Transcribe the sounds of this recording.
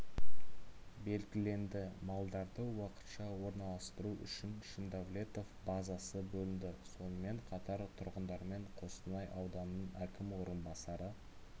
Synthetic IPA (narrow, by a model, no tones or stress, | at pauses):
be̞lɡʲɪle̞nd̪ɪmɑlˠd̪ɑɾd̪əwɑqə̥t̪ʃɑwo̞ɾnɑlˠɑst̪əɾuʔʏ̰ʃɪnʃɪnd̪avlʲe̞t̪o̞fbɑzɑsəbɵlɪnd̪ɪso̞nəme̞ɴqʰɑt̪ɑɾt̪ʰʊɾʁənd̪ɑɾme̞ɴqʰo̞sənɑjʔɑwd̪ɑnnəɴækʲɪmwo̞ɾənbɑsɑɾə